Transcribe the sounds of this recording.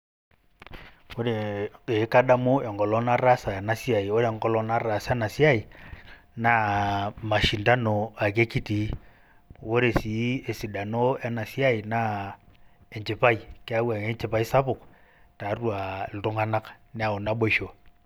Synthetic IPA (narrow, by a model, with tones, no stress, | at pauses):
o˦ɾe˨e˨˦ka˦da˦mo˦e˨ŋɡɔ˨lɔ˦na˦ɾa˦sa˨ja˨na˦si˦a˨i˨o˦ɾe˦˨ŋɡɔ˦lɔ˦na˦ɾa˨sa˦na˨si˦a˦i˨ | na˦ma˨ʃi˨nda˦no˨a˨ke˦ki˦ti˨˦ | wo˦ɾe˨si˨˦e˨si˨da˨no˦a˦na˨si˦a˦i˨na˦ | e˨ɲt͡ʃe˨pa˦i˨ke˦a˦wa˨ŋe˦ɲt͡ʃe˦pa˦i˦sa˦pʊ˨k | ta˨˦rwa˨lto˦ŋa˦na˦k | nɛ˦a˨o˨na˦ɓo˦ʃo˨